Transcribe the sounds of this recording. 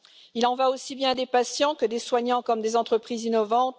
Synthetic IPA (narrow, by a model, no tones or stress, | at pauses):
ilɑ̃vaosibjɛ̃d̪epasjɑ̃kəd̪eswaɲɑ̃kɔmd̪ezɑ̃t̪χəpχizinɔvɑ̃t̪